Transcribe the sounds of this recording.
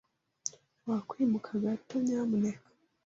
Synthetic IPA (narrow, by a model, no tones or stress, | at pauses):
wakwiːmukʰaɡatːoɲaːmune